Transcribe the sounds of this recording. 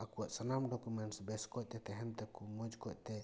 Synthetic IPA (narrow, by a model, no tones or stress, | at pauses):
akuwaʔsanamɖɔkumɛɳʈsbɛskɔt̪ɛt̪ɛɦɛmt̪ɛkumɔd͡ʒkɔʔ̚t̪ɛ